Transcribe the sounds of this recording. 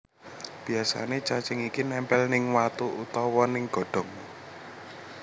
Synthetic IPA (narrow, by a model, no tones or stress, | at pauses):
b̥i̤asa̰net͡ʃat͡ʃɪŋikinɛmpɛlnɪŋwat̪uʔut̪ɔwɔnɪŋɡ̥ɔ̤ɖ̥ɔ̤ŋ